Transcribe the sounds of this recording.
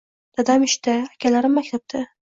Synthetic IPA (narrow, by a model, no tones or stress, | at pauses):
d̪̥ad̪amɪʃt̪aakʲʰalaɾɪmːakʲt̪ʰap̚t̪ʰa